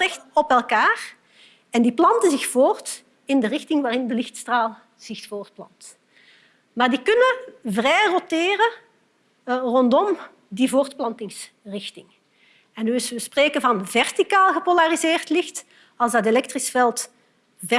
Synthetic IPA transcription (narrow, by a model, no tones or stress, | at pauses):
rɛxtɔpɛlˠkaːr | ɛndiplɑntəzɪxfoːrt | ɪndərɪxtɪŋʋaːrɪndəlɪxtstraːlˠ | z̥ɪxfoːrt̚plɑ̰nt | maːrdikɵnəvrɛjrotɪːrə | rɔndɔm | divoːrtplɑntɪŋs | rɪxtɪŋ | ɛnːyɪsʋəspreːkəvɑnvɛrtikaːlˠɣəpolarizɪːrtlɪxt | ɑlˠzdɑt̬elɛk̚trisfɛlˠt | vɛ